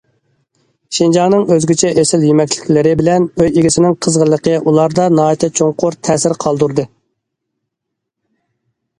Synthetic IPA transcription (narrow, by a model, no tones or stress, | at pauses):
ʃind͡ʒɑnɨŋøzɡʲyt͡ʃʰɛʔesɪljymɛkʲlɪ̥kʲlɪɾɪbɪlɛnøjeɡʲisɪnɪŋqʰəzʁəlːˠəqʰəʔulˠɑɾd̪ɑnɑːjt̪ʰɛt͡ʃʰoŋqʊɾt̪ʰɛːsɪɾqʰɑlˠd̪uɾd̪ɨ